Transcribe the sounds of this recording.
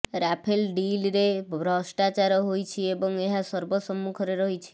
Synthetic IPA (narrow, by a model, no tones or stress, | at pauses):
ɾapʰelɖilɾebʱɾɔsʈat͡ʃaɾɦojt͡ʃʰiebɔŋeɦasɔɾbɔsɔmːukʰɾeɾɔɦit͡ʃʰi̥